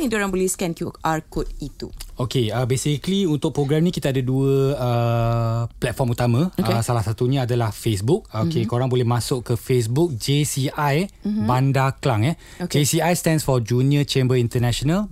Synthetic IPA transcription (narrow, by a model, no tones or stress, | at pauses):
ĩndɾãnboliskɛ̃nkjuʔarkod̚it̪ṵokeəbesikliunt̪ʊk̚pɾoɡɾɛmnĩkit̪aadaduəə | plɛt̪̚fɔmut̪amãəsalahsat̪uɲãːdalahfes̬buk̚okekoɾaŋbolɛmãsʊʔkəfes̬buk̚d͡ʒesiajbandaklaŋɛ | d͡ʒesiajst̪ɛ̃nsfɔd͡ʒuniət͡ʃembəint̪ənɛ̃ʃonal